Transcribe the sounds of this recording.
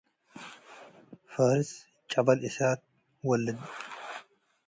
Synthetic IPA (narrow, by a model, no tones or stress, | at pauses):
fɐɾɪs | t͡ʃʼɐbɐlɪsaːt̪̚ | wɐlːɐd̪